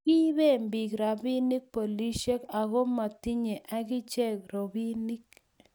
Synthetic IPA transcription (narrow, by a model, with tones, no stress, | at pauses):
ki˦βe˦˨mbi˨kɾa˨bi˦ni˦k̚po˨li˦ʃe˦ka˨ɣo˦ma˨t̪i˦ɲe˨ʔa˦ɡɪ˦t͡ʃe˦kɾo˨bi˦ni˦k